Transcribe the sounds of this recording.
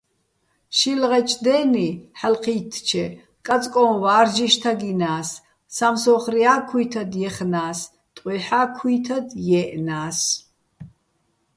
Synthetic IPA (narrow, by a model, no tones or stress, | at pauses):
ʃilʁɛt͡ʃʼd̪ɛːniħalqʰiːt̪ʰt͡ʃʰɛ | kʼat͡sʼkʼɔvaːrd͡ʒiʃt̪ʰaɡinaːs | samsɔχriaːkʰujt̪ʰɐd̪jɛχnaːs | t̪ʼɛħaːkʰujt̪ʰad̪jɛʔnaːs